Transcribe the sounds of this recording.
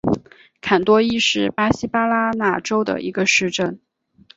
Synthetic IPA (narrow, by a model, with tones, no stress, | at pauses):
kʰa˨˩nt̪wɔ˥i˥˧ʂɻ̩˥˩pa˥ɕi˥pa˥la˥na˥˩ʈ͡ʂo˥ʊd̪ə̰˨ʔḭ˧˥ɡə˧ʂɻ̩˥˧ʈ͡ʂə˥˩n